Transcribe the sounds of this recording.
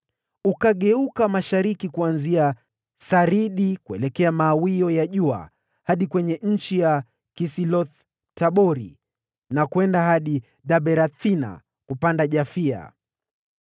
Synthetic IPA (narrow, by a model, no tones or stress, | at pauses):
ukaɠɛukamaʃaɾikikuanzia | saɾiɗikuɛ̰lɛkɛamaːwiɔjaʄua̰ | haɗikwɛɲɛɲ̩t͡ʃija | kisilɔθ | taɓɔɾḭ | nakwɛndahaɗi | ɗaɓɛɾat̪ina̰ | kupandaʄafia̰